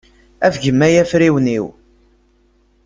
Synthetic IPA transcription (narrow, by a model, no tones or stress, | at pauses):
æfʝəmːæjæfɾiwniw